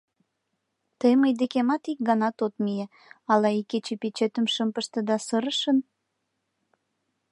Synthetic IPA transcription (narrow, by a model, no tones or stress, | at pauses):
t̪əjməjd̪ekemɑt̪ik̚ɡɑnɑt̪ot̪mije | ɑlɑiket͡ɕepet͡ɕet̪əmʃəmpəʃt̪ə̆d̪ɑsəɾəʃən